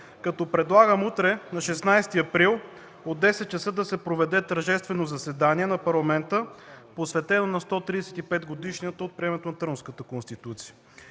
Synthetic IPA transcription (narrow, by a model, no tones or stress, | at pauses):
kɐt̪ɔpɾɛd̪lˠaɡəmut̪ɾɛnɐʃɛsnajst̪iɐpɾilˠ | od̪ːɛsɛt̪̚t͡ʃɐsɤd̪ɐsɛpɾovɛd̪ɛt̪ɐɾʒɛst̪vɛnozɐsɛd̪aniɛnɐpɐɾlˠɐmɛnt̪əposvɛt̪ɛnonɐst̪ɔt̪ɾiɛsɛ̥t̪ipɛd̪ɡod̪iʃniət̪əot̪̚pɾʲiɛmɛt̪onɐt̪ɾəmskət̪əkonst̪it̪ut̪si̥jə̥